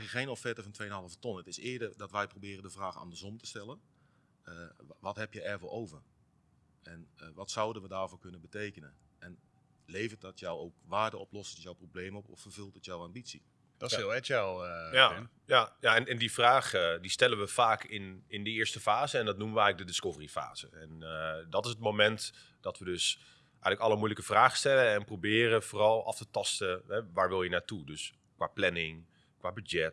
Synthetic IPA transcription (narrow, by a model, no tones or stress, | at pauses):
əχejnɔfɛtəvɔntʰʋejənɦɑlˠəvətɔnətɪsɪːdərdɔtʋɛjprobɪːrəndəvraːxa̰ndərsɔmtə̥stɛlˠən | əʋɔthɛpjɛjɛrʋɔlˠʔowvər | ɛnʋɔtsawdənʋədaːrvoːkɵnəbətejkənəʔɛn | lejvət̚dɔtjɔwowkʋaːrdəʔɔplɔsəjɔwprobleːmɔpɔ̰ffərv̥ølˠtətjɔwambitsi | d̥ɔsɪlˠɛtjajan | jajaɛnɛndifraːχdistɛlənʋəfaːkʰɪnɪndəɪːɹstəfaːzəɛndɔtnuməʋəɛjɣlək̚dədɪskovərifa̰ːz̥əɛndɔtɪsət̚momɛnt | d̥ɔtʋədøs | ʔɛjɣələkɑləmujləkəfraːχəstɛləɛnprobɪːrəvoːrɑlˠɑ̰ftətɑstəɦɛʋaːɹʋɪlˠjənaːtudøs | kʋaːplɛnɪŋ | kʋaːbyd͡ʒɛt